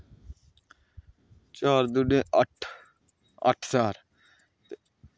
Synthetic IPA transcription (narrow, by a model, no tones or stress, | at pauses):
t͡ʃaːɾd̪ʊɖẽːʔəʈ | ə̰ʈʰsaːɾ | t̪e